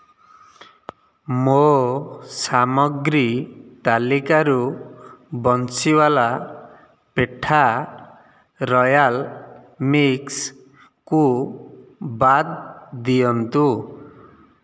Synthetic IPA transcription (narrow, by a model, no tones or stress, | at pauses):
mo | samɔɡɾit̪alikaɾu | bɔnt͡ʃiwala | peʈʰa | ɾɔjal | miks | ku | bad̪̚d̪ijɔnt̪u